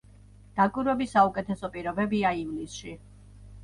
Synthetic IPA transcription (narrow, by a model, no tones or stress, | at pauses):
d̪̥akʼwiɾwɛbisːaukʼɛt̪ʰɛsɔpʼiɾɔbɛbiaivlisʃi